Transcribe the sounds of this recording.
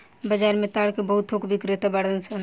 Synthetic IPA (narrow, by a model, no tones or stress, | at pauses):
bəd͡ʒaːɾmẽt̪aːɽkebəɦut̪ʰɦokbɪkɾet̪abaɽənsən